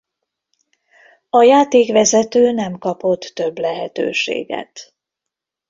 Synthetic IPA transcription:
ɒjaːt̪eːkʋɛzɛt̪øːnɛmkɒpo̞t̪ːø̞blɛɦɛt̪ø̰ːʃḛːɡɛ̰t̪

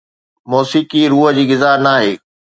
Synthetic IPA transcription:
mɔːsiːkiɾuːɦə̆d͡ʑiːɡɪzaːɾnaːɦeː

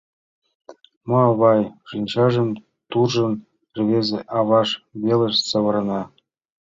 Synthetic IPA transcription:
mɤɑβɑjʐ̥ɯnʲt͡ɕɑʐə̆n | t̪urʒɤ̆n | rβʲezʲeʔɑβɑʂbʲelə̆ʂsɤ̆βɤ̆ɾɤ̆nɑ

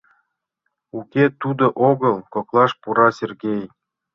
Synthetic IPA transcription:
ukʲet̪ud̪oʔoɡɤlˠkoklˠɑʃpuɾɑsʲerɡʲej

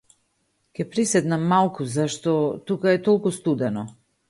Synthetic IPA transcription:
kʲɛpɾisɛd̪namːalˠkuzaʃt̪ɔt̪ukaɛt̪ɔlˠkust̪ud̪ɛnɔ

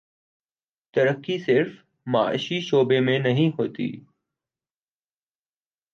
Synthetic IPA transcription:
t̪əɾəkːiːsɪɾf | maːʔʃiʃoːbeːmẽːnəɦĩɦoːt̪ḭː

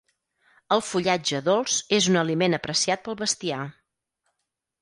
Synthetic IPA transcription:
əlˠfuʎad͡ʒəðolˠz̥ezunəlimenəpɾəsiat̪̚pəlˠβəst̪ia

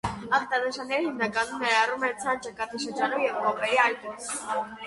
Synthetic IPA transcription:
ɑnt̪ɑnəʃɑnːɛɾihimnɑkɑnumnɛɾɑrumɛt͡sʰɑnt͡ʃɑkɑt̪ʰiʃəɾd͡ʒɑnumjɛvkɔpɛɾiɑjt̪u

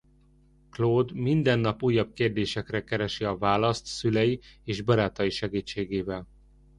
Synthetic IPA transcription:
kloːd̪mind̪ɛnːɒpuːjːɒb̚keːrd̪eːʃɛkrɛkɛɾɛʃiɒvaːlɒst̪sylɛjieːʒbɒɾaːt̪ɒjiʃɛɡiːt͡ʃːeːɡeːvɛl

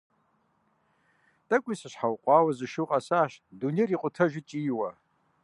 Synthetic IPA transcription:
tʼakʷʼisaʃʷħawqʷʼaːwazɨʃɨqʼasaːʃduneriqʷʼʊtʰɐʒʷɪt͡ʃʼiːwa

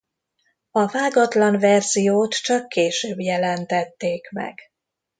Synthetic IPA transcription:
ɒvaːɡɒt̪lɒɱvɛrzijoːt̪t͡ʃɒkːeːʃøːbjɛlɛnt̪ɛt̪ːeːkmɛ̰ɡ̥

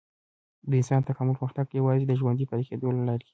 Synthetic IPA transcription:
d̪əɪnsɑnt̪akamʊlpɣuxt̪aɡjawɑzed̪əʒwand̪ipaɾexed̪olalɑɾi

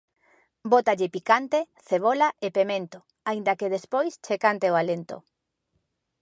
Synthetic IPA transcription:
bot̪aʎɪpikant̪eθeβ̞olaʔepemẽnt̪o | aind̪ɐkeðespojst͡ʃekant̪eoalent̪o̰

